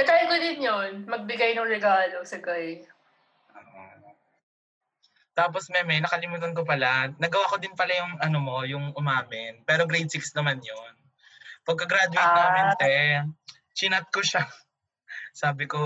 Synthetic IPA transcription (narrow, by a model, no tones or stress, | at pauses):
ɐt̪ajmɡɐd̪ɪnjonmɐɡ̚bɪɡɐjnɐŋɾɛɡaːlosɐɡaj | ʔoːʔo | t̪aːp̬osmɛmɛnɐkɐlɪmuːt̪ɐnk̬opɐlanɐɡɐwaːko̞d̪ɪnpɐlajʊŋɐnomo̞jʊŋʊmaːmɪnpɛːɾoɡɾejd̪̚sɪksnɐmanjon | pɐɡ̚kɐɡɾaːd̪ʊwt̪naːmɪnt̪ɛ | t͡ʃɪnɐt̪̚koʃa | saːbɪko